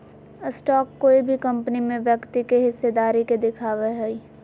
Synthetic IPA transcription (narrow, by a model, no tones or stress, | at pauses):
sʈɔːkːoibʱikɐ̃mpənimẽʋjɐkt̪ikeɦɪsːed̪aːɾiked̪ɪkʰaːʋeɦɛi